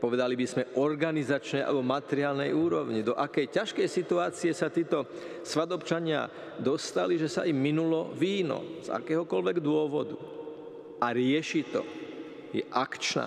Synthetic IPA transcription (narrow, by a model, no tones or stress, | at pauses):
pɔʋɛd̪alibizmɛʔɔɾɡanizat͡ʃnɛjʔa̰lɛbɔmat̪ɛɾɪaːlnɛjuːɾɔʊɲid̪ɔʔakɛjcaʃkɛjsit̪uaːt͡siɛsat̪iːt̪ɔ | sʋad̪ɔpt͡ʃaɲɪa̰ | d̪ɔst̪aliʒɛsa̰imːinulɔʋiːnɔ̰z̥a̰kɛːɦɔkɔlʋɛɡd̪ʊɔʋɔd̪u | ʔaɾɪɛʃit̪ɔ̰ | jɛ̰ʔakt͡ʃna̰ː